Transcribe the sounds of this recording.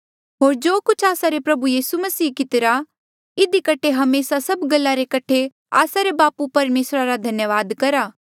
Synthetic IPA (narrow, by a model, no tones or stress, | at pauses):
ɦoːɾd͡ʒoːkʊt͡ʃʰaːsaɾepɾɐbujiːsumɐsiːkɪt̪ɪɾa | ɪd̪ikɐʈʰeɦɐmeːsasɐbɡɐlːaɾekɐʈʰe | a̰ːsaɾebaːpupɐɾmeːsɾaɾad̪ʱɐnjəʋaːd̪kɐɾaː